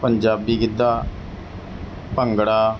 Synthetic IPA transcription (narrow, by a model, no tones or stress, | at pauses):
pəɲd͡ʒaːbiːkɪd̪ːaː | pəŋɡɽaː